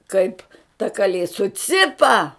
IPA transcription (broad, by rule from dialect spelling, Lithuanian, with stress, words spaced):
ˈkɐɪp tɐ kɐˈlʲeː sʊˈt͡sʲɪpɐ